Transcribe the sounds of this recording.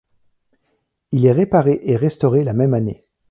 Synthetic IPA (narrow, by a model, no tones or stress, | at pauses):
ilɛʁepaʁeʔeʁɛst̪ɔʁelamɛmanḛ